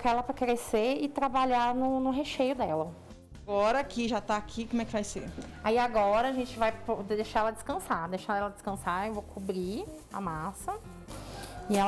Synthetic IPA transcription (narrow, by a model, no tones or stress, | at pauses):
kaɛlɐpɾɐkɾeseɪt̪ɾabaʎanʊnʊɦeʃejʊd̪ɛlɐ | ɡɔɾɐkiʒat̪aːkʰikõmɛkɪvajseɾaiaɡɔɾɐaʒẽt͡ʃɪvajpod̪ejʃaɾɛlɐd͡ʒɪskɐ̃sad̪ejʃaɾɛlɐd͡ʒɪskɐ̃saewvowkʰubɾi | a̰masɐ | ɪɛ